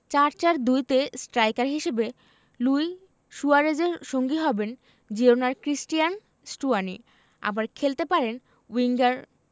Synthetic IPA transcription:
t͡ɕaɾt͡ɕaɾd̪ujt̪esʈɾajkaɾɦiʃebe | luj | ʃuaɾed͡ʑeɾʃoŋɡiɦɔben | d͡ʑionaɾkɾisʈijan | sʈuanḭ | a̰baɾkʰelt̪epaɾen | wiŋɡaɾ

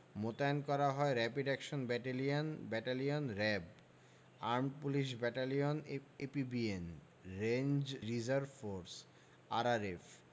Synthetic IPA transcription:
mot̪aenkɔɾaɦɔeɾɛpiɖɛkʃonbɛʈelianbɛʈalionɾɛb | aɾmpuliʃ̬bɛʈalionepibien | ɾend͡ʑɾizaɾbfoɾs | aɾaɾef

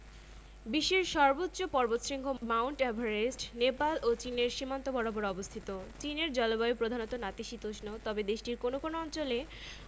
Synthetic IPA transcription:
biʃeɾʃɔɾbotːɕopɔɾbot̪ʃɾiŋɡʱomawɳʈɛbʱaɾesʈnepalʔot͡ɕineɾʃimant̪obɔɾabɔɾɔbost̪ʰit̪ot͡ɕineɾd͡ʑɔlobaopɾod̪ʱanot̪onat̪iʃit̪oʃnot̪ɔbed̪eʃʈiɾkonokonoɔnt͡ɕole

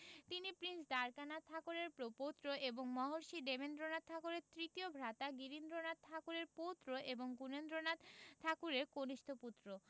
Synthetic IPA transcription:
t̪inipɾinsd̪aɾkanat̪ʰakuɾeɾpɾopot̪ːɾoʔeboŋmɔɦoɾʃiɖemend̪ɾonat̪̚t̪ʰakuɾeɾt̪ɾit̪iobʱɾat̪aɡiɾind̪ɾonat̪̚t̪ʰakuɾeɾpot̪ːɾoʔeboŋɡunend̪ɾonat̪t̪ʰakuɾeɾkoniʃt̪ʰoput̪ːɾo

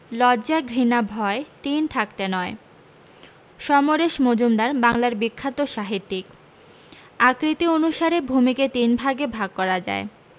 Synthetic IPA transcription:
lɔd͡ʑaɡɾinabʱɔet̪int̪ʰak̚t̪enɔe | ʃɔmoɾeʃmod͡ʑumd̪aɾbaŋlaɾbikʰːat̪oʃaɦit̪ːik̚ | akɾit̪ionuʃaɾebʱumiket̪inbʱaɡebʱaɡ̚kɔɾad͡ʑa̰e

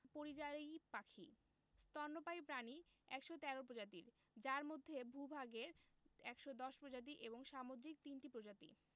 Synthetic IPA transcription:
poɾid͡ʑaɾejpakʰḭ | st̪ɔɾnopajpɾani | ɛkʃot̪ɛɾop̬ɾod͡ʑat̪ḭɾ | d͡ʑaɾmod̪ʱːebʱubʱaɡeɾ | ɛkʃod̪ɔʃpɾod͡ʑat̪̬iʔeboŋʃamod̪ɾik̚t̪inʈipɾod͡ʑat̪ḭ

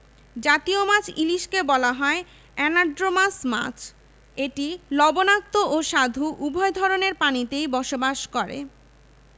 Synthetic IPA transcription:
d͡ʑat̪iomat͡ɕʰiliʃkebɔlaɦɔe | ɛnaɾɖɾomasma̰t͡ɕʰ | eʈilɔbonak̚t̪oʔoʃad̪ʱuʔubʱɔed̪ʱɔɾoneɾpanit̪ejbɔʃobaʃkɔɾḛ

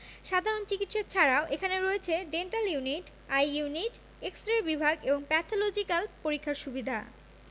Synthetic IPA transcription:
ʃad̪ʱaɾont͡ɕikitʃat͡ɕʰaɾaoʔekʰaneɾoet͡ɕʰeɖenʈaljuniʈ | ajuniʈ | eksʈɾabibʱaɡeboŋpɛt̪ʰolod͡ʑikalpoɾikʰːaɾʃubid̪ʱa̰

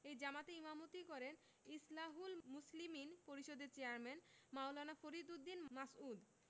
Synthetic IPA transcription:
ejd͡ʑamat̪eimamot̪ikɔɾen | islaɦulmusliminpoɾiʃod̪eɾt͡ɕeaɾmɛnmawlanafoɾid̪ud̪ːinmasud̪

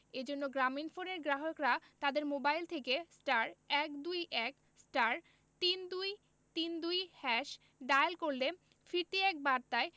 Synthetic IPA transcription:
ed͡ʑonːoɡɾaminfoneɾɡɾaɦokɾat̪ad̪eɾmobajlt̪ʰekesʈaɾɛkd̪ujʔɛk | sʈaɾ | t̪ind̪uj | t̪ind̪ujhɛʃ | ɖajelkoɾle | fiɾʈiɛk̚baɾt̪ae

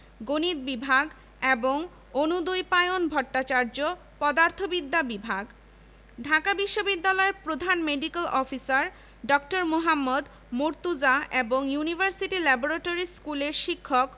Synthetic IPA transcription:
ɡonit̪̚bibʱaɡ | eboŋ | onud̪ojpajonbʱɔʈːat͡ɕaɾd͡ʑo | pɔd̪aɾt̪ʰobid̪ʱːabibʱaɡ | ɖʱakabiʃːobid̪ːalɔeɾpɾod̪ʱanmeɖikelɔfisaɾ | ɖɔk̚ʈoɾmoɦamːod̪ | muɾt̪ud͡ʑaeboŋjunibʱaɾsiʈilɛboɾaʈoɾiskuleɾʃikʰːok

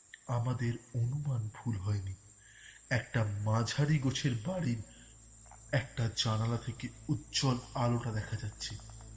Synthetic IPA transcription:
amad̪eɾonumanbʱulɦɔeni | ɛkʈamãd͡ʑʱaɾiɡot͡ɕʰeɾbaɽiɾ | ɛk̚ʈad͡ʑanalat̪ʰekeut̪d͡ʑɔlaloʈad̪ɛkʰad͡ʑatːɕʰe

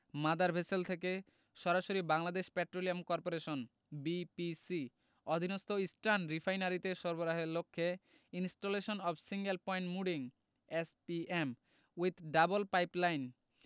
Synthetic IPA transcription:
mad̪aɾbʱeselt̪ʰek̬e | ʃɔɾaʃoɾibaŋlad̪eʃpɛʈɾoliamkɔɾpoɾeʃon | bipisi | ɔd̪ʱinost̪oisʈɾanɾifʰajnaɾit̪eʃɔɾboɾaɦeɾlokʰːe | insʈoleʃonɔbsiŋɡelpɔjɳʈmuɖiŋ | espiem | wid̪ɖabolpajplajn

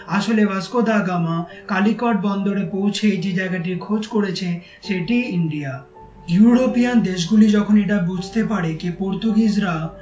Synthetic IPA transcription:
aʃolebaskod̪aɡamakalikɔʈ̚bɔnd̪oɾepowt͡ɕʰed͡ʑed͡ʑaeɡaʈiɾkʰod͡ʑkoɽet͡ɕʰe | ʃeʈiiɳɖia | juɾopijand̪eʃ̬ɡulid͡ʑɔkʰoneʈabud͡ʑʱt̪epaɾekepoɾt̪uɡid͡ʑɾa

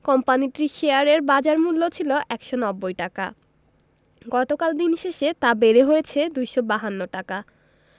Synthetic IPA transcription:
kɔmpaniʈɾiʃeaɾeɾbad͡ʑaɾmulːot͡ɕʰiloʔɛkʃonɔbːojʈaka̰ | ɡɔt̪okald̪inʃeʃet̪abeɾeɦojet͡ɕʰed̪ujʃobaɦanːoʈaka

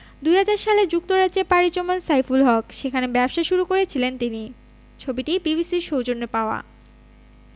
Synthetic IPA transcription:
d̪ujɦad͡ʑaɾʃaled͡ʑuk̚t̪oɾadʑepaɾit͡ɕomansajfulɦɔkʃekʰanebɛpʃaʃuɾukoɾet͡ɕʰilent̪ini | t͡ɕʰobiʈibibisiɾʃowd͡ʑonːepaoa̰

